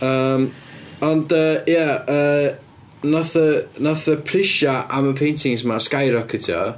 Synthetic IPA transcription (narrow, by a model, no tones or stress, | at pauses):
əːmɔndəjaəː | naθənaθəpʰrɪʃaʔaməpʰejntʰɪŋsmaskajɾɔkʰətʰjɔ̰